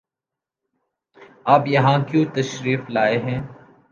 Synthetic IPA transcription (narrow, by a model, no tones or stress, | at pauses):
aːpjəɦãːkjũːt̪əʃɾiːflaːeːɦɛ̃ː